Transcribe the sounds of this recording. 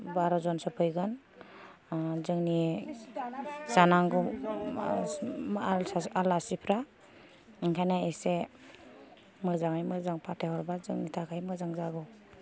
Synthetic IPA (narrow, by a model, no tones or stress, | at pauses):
baɾɔzɔnsɔpʰɯjɡɯn | zɯŋni | sanaŋɡɔ | alsaalasipʰɾa | iŋkʰajnaese | mɯzaŋajmɯzaŋpʰatʰajhɔɾbazɯŋnitʰakʰajmɯzaŋzaɡɔ